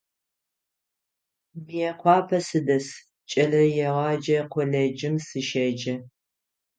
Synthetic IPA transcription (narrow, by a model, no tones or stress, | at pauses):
mɨjɛqʷɑːpʰɐsɨdɐs | t͡ʃʼɐɮɐjɛʁɑːd͡ʒɐqʷɔɮɐd͡ʒɪmsɨʃɐd͡ʒɐ